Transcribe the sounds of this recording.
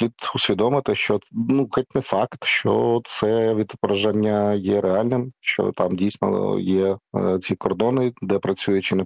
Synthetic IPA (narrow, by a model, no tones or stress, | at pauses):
it̪ʊsʲʋʲid̪ɔmɪt̪ɪʃt͡ʃɔnuxɔt̪̚ʲnɛfɑkt̪ʃt͡ʃɔ̰t̪sɛʋʲid̪pɾɐʒanʲːɐjɛɾʔɛɑlʲnɪmʃt͡ʃɔ̰t̪ɑmdʲijsʲnɔ̰jɛt͡sʲikɔrd̪ɔnɪd̪ɛpɾɐt͡sʲujʊt͡ʃɪnɛ